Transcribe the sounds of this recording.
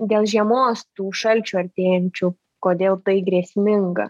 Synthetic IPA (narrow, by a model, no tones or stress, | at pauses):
d̪ʲeːlˠʒʲiɛmoːst̪uːʃɐlʲt͡ʃʲuːɐɾʲt̪ʲeːjɛnʲt͡ʃʲʊ | koːd̪ʲeːlˠt̪ɐɪɡɾʲiɛsʲmʲɪŋɡɐ̰